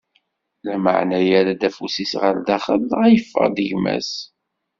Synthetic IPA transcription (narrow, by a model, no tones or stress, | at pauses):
læmə̰ʕnæjaɾad̪æfusisʁəɾd̪æχəðæjəfːə̰ʁd̪əʝmæ̰s